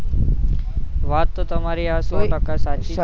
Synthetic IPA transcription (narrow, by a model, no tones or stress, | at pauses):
ʋaːt̪ːot̪ɐmaːɾiaːsoːʈəkasaːt͡ʃi